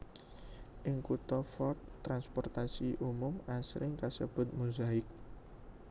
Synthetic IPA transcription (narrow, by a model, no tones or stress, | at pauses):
ʔɪŋkut̪ɔfɔrt̪ːɾanspɔrt̪asiʔumʊmasɾʔɪŋkasəb̥ʊ̤t̪̚muzaɪk̚